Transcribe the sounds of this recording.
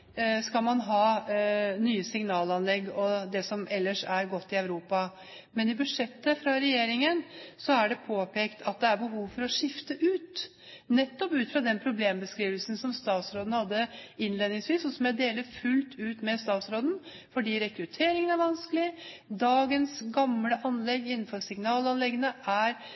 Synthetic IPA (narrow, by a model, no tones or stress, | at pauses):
skɑlmɑnɦɑː | nyːəsɪŋnɑːlɑnlɛɡːɔd̪ɛsɔmʔɛlːəʂæɾɡɔt̪ːɪɑʉɾuːpɑ | mɛnɪbʉd̪ʂɛt̪ːəfɾɑɾɛjeːɾɪŋənsɔæɖɛpʰoːpʰeːkt̪ʰɑt̪̚d̪ɛæɾbəɦuːʋfɔɾɔʂɪft̪əʔʉːt̪ | nɛt̪ːɔpʉːt̪fɾɑd̪ɛnpʰɾʊbleːmbəskɾiːʋəlsn̩sɔmst̪ɑːt̪sɾoːd̪n̩hɑd̪ːəɪnleːd̪nɪŋsʋiːsɔsɔmjæɪd̪eːləɾfʉlt̪ʰʉːt̪mɛst̪ɑːt̪sɾoːd̪n̩ | fɔɖiːɾɛkɾʉt̪ʰeːɾɪŋənæɾʋɑnskəlɪd̪ɑːɡənsɡɑmləʔɑnlɛɡɪnːn̩fɔɾsɪŋnɑːlɑnlɛɡənəʔæɾ